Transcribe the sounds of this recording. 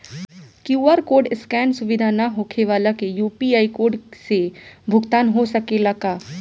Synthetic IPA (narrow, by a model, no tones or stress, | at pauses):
kjuːaːɾkoːɾɖɪskɛːnsʊʋɪd̪ʱanaɦoːkʰeʋaːlakejuːpiaːikoːɾɖsebʱʊɡt̪aːnɦosɐkelakaː